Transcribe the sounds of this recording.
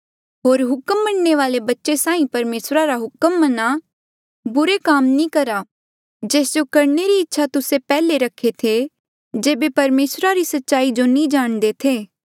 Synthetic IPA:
ɦoːɾɦʊkəmːɐɳneʋaːlebɐtːʃesãːĩpɐɾmeːsɾaɾaɦʊkəmːɐna | bʊɾekaːmnĩkɐɾa | d͡ʒeːsd͡ʒokɐɾneɾiɪtːʃʰat̪ʊsepɛːleɾɐkʰːet̪ʰe | d͡ʒeːbepɐɾmeːsɾaɾisɐtːʃaːid͡ʒonĩd͡ʒaːɽ̃d̪et̪ʰeː

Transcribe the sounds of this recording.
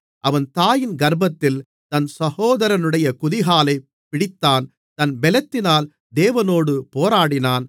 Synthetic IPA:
ʔɐʋɐnt̪aːjɪnɡɐɾbɐt̪ːɪl | t̪ɐnsɐhoːðɐɾɐnɯɽɐjɐkʊðɪɣaːlɐɪ | pɪɽɪt̪ːaːn | t̪ɐnbɛlɐt̪ːɪnaːl | d̪eːʋɐnoːɽɯpoːɾaːɽɪnaːn

